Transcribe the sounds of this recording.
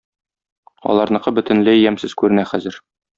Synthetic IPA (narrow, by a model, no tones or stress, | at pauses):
ɒ̰lˠɑɾnɤ̆qɤbɵ̆t̪ɘ̆nlɘijæmsɘz̥kʉɾɘ̆næχæzɘɾ